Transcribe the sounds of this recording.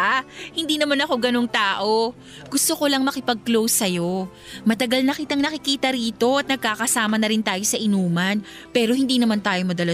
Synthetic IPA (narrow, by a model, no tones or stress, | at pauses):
ʔahɪnd̪iːnɐmanɐko̞ɡɐno̞ŋt̪aːʔo̞ | ɡ̥ʊst̪o̞kolɐŋmɐkɪpɐɡ̚klowsːɐjo̞ | mɐt̪ɐɡɐlnɐkit̪ɐŋnɐkɪkiːt̪ɐɾiːt̪o̞ʔɐt̪̚nɐɡ̚kaːkɐsaːmɐnɐɾɪnt̪aːjo̞sɐʔɪnuːmɐn | pɛːɾo̞hɪnd̪iːnɐmant̪aːjo̞mɐd̪ɐlɐ